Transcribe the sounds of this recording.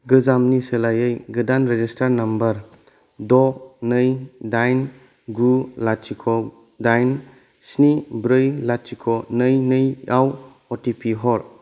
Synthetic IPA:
ɡɯzamniselajɯjɡɯdanɾed͡ʒistaɾnɐmbɐɾ | dɔnɯjdajn | ɡulat͡ʃikʰɔ | dajn | snibɾɯjlat͡ʃikʰɔnɯjnɯjaw | ɔtipʰiɦɔɾ

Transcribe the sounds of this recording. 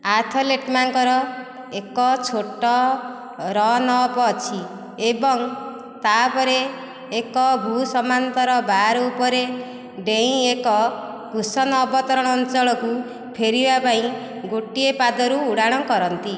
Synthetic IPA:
aɾt̪ʰɔleʈmaŋkɔɾɔ | ekɔt͡ʃʰoʈɔ | ɾɔnɔːpɔːt͡ʃʰi | ebɔŋ | t̪apɔɾeː | kɔbʱusɔmant̪ɔɾɔbaɾɔupɔɾe | ɖeĩekɔ | ɡʱusɔnɔːbɔt̪ɔɾɔɽ̃ɔːnt͡ʃɔɭɔku | pʰeɾibapaĩ | ɡoʈiepad̪ɔɾuːɽaɽ̃ɔkɔɾɔnt̪i

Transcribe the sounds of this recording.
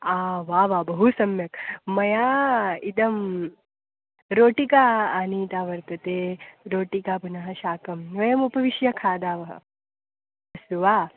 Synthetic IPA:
aːʋaːʋaːbɐɦusɐmjɐkmɐjaːid̪ɐm | ɾoːʈikaːaːniːt̪aːʋɐɾt̪ɐt̪eːɾoːʈikaːbunɐɦɐʃaːkɐmʋɐjɐmupɐʋiʃjɐkʰaːd̪aːʋɐɦɐ̰ | ɐsuʋaː

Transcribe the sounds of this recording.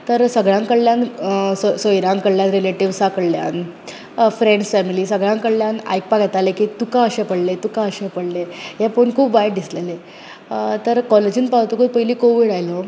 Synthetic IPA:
t̪əɾsəɡɭãŋkəɭljãnssojɾãŋkəɭljãnɾileʈiʋsakəɽlja̰n | fɾeɳɖsfɛmiliːsəɡɭãŋkəɭljana̰jk̚paɡɛt̪alekit̪ukãəɕepəɽlet̪ukaəɕepəɽlejapoɳkʰuːpʋajʈd̪islele | t̪əɾkɔled͡ʑiːnpawt̪okəjpəɦiliːkoʋiːɽajlo

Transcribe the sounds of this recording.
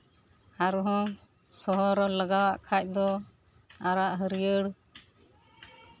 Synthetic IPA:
aɾuɦɔ̃ | sɔɦɔɾɔləɡawaʔkʰac̚ˀd̪ɔ | aɾaʔɦəɾijəɽ

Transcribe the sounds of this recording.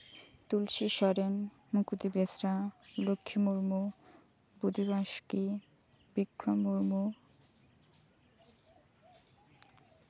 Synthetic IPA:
t̪ulʃiʃɔɾen | mukut̪ibesɾalokʰːimuɾmo | bud̪ʱiβaʃki | bikɾomuɾmo

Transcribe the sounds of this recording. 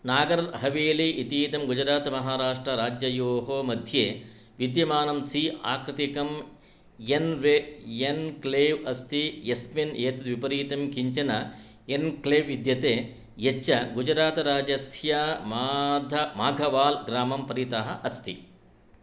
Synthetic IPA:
naːɡɐɾɐɾɦɐʋeːleʔit̪iːt̪ɐmɡud͡ʒɐɾaːt̪ɐmɐɦaːɾaːʂʈɾɐɾaːd͡ʒjɐjoːɦoːmɐd̪ʱjeː | ʋid̪jɐmaːnɐmsia̰ːkɾɪt̪ikɐm | enʋeenkleːʋɐst̪ʰijesmineːt̪ud̪ʋipɐɾiːt̪ɐmkiɲt͡ʃɐnɐ | enkleːʋːid̪jɐt̪eː | jet͡ʃːɐɡud͡ʒɐɾaːt̪ɐɾaːd͡ʒɐsjamaːd̪ʱɐmaːɡʱɐʋaːlɡɾaːmɐmpɐɾit̪ɐɦɐʔɐst̪ʰḭ

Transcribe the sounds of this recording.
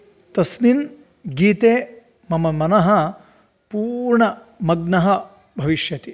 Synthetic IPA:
t̪ɐsnin | ɡiːt̪eː | mɐmɐmɐnɐɦɐ | puːɾɳɐ | mɐɡ̚nɐɦɐ | bʱɐʋiʃjɐt̪i

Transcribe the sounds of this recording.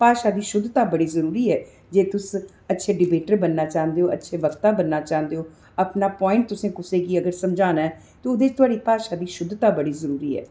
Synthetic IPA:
paːʃaːd̪iːʃʊd̪t̪aːbəɽiːzəɾuːɾiːɛː | d͡ʒeːt̪ʊs | ətːʃʰeːɖɪbeːʈəɾbənːaːt͡ʃaːɦə̃nd̪eoːʔətːʃʰeːʋəkt̪aːbənːaːt͡ʃaːɦənd̪eːoː | apnaːpɔːɪ̃ɳʈ̚t̪ʊsẽːkʊsẽːkiːəɡəɾsəmd͡ʒaːnaːɛː | t̪oːʊd̪eːt͡ʃt̪ʊaːɽiːpaːʃaːd̪iːʃʊd̪t̪aːbəɽiːzəɾuːɾiːɛ̰ː

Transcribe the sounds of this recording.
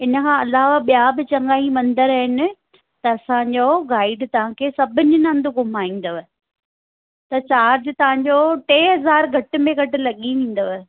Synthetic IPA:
ɪnə̆kʰãːɐlaːʋaɓijabɪt͡ɕɐ̃ŋɡaːimɐ̃nd̪əɾəɦɪnɪ̆ | t̪ɐɐsãɲd͡ʑoːɡaːɪɖt̪ɐʋ̤ãkʰeːsɐbʱɪɲʊnãːnd̪ʊɡʊmaːĩːn̆d̪oʋ | t̪ɐt͡ɕaːɾd͡ʑɪt̪ɐʋ̤ãɲd͡ʑoʈeːɦɐzaːɾɡʱɐʈɪ̆mẽɡʱɐʈɪ̆lɐɠiʋĩːn̆d̪oʋ

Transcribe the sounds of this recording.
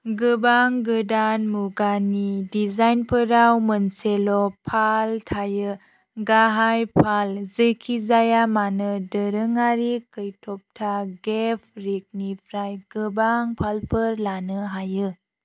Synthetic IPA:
ɡɯbaŋɡɯdanmuɡanidizajnpʰəɾawmənselɔpʰaltʰajɯ | ɡaɦajpʰalzɯkʰizajamanɯdəɾɯŋaɾikʰɯjtʰɔp̚tʰaɡepʰɾik̚nipʰɾajɡ̥ɯbaŋpʰalpʰɯɾlanɯɦajɯ

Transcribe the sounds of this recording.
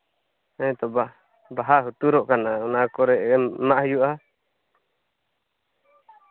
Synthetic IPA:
ɛ̃t̪ɔba | baɦaɦut̪uɾɔʔkanaɔnakɔɾɛʔmaʔhəjuʔa

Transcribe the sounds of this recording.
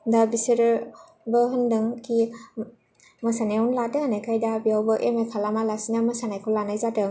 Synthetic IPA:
dabisiɾ | bɯɦɯndɯŋkʰi | mɯsanajawnlatɯhanajkʰajdabiawbɯʔemekʰalamalasinamɯsanajkʰɔlanajzatɯ

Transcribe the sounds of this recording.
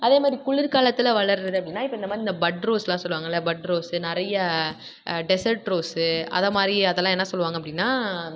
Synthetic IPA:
ɐðeːmaːd̪ɾikʊɭɪɾkaːɭɐt̪ːɪlɐʋɐɭɐɾɾɐðɯɐpːɐɽɪnːaːɪpːoːɪnd̪ɐmaːd̪ɾiɪnd̪ɐbɐɖɾoːslãːsɔlːɯʋaːŋɡɐlːɐbɐɖɾoːsɯnɪɾɐjɐ | ɖɛsɐɾʈɾoːsɯɐ̰ðɐmaːd̪ɾiɐðɛlːãːɛnːɐsɔlːɯʋaːŋɡɐpːɐɽɪnːaː

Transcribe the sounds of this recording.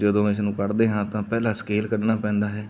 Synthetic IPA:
d͡ʒəd̪õːɪsnũːkəɾd̪eːɦãːt̪ãːpɛːlaːskeːlkəɖnaːpɛ̃ːnd̪aːɦɛː

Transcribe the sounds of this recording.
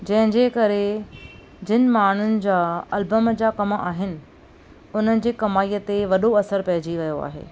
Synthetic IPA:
d͡ʑɐ̃ɦɪ̃d͡ʑeːkɐɾe | d͡ʑɪnɪ̆maːɳ̤ʊnɪ̆d͡ʑaːɐlbəmd͡ʑaːkɐma̰ːɦɪnɪ̆ | ʊn̤ənɪ̆d͡ʑeːkɐmaːiːət̪eʋɐɗoɐsəɾpɐɦɪd͡ʑiʋɐjoa̰ːɦḛː

